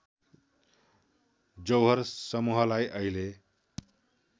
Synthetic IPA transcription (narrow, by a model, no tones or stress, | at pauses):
d͡zʌwɦʌɾsʌmuɦʌlajʔʌile